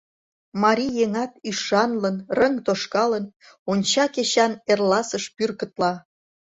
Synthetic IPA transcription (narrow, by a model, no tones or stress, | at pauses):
mɑɾʲijeŋɑt̪̚yʃɑnlənrəŋt̪oʃkɑlən | onʲt͡ɕɑket͡ɕɑnerlɑsəʃpyrkət̪lɑ